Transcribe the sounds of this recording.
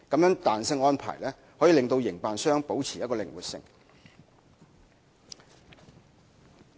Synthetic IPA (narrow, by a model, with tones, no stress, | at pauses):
kɐ˨˥mjœː˨˥ŋt̪aː˨nsɪ˧ŋɔː˥npʰa̰ː˨˩jlɛː˥ | hoː˨˥jiː˨˧lɪ˨ŋt̪o˧wjɪ˨˩ŋpaː˨nsœː˥ŋpo˨˥wt͡sʰiː˨˩jɐ˥t̚kɔː˧lɪ̰˨ŋwṵː˨˩t̚sɪ̰˨ŋ